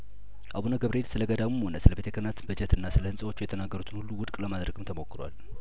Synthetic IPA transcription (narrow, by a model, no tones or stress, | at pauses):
ʔaβonaɡəβɾelsɨləɡəd̪amumonəsɨləbet̪ʰəkʰənat̪bɨd͡ʒət̪ʰɨnːasɨləhɨnsʼəwo̞t͡ʃːujɛt̪ʰənaɡːəɾut̪ʰɨnhulːuwʊd̪kʼləmad̪ɾəɡɨmt̪ʰəmo̞kːɨɾwa̰l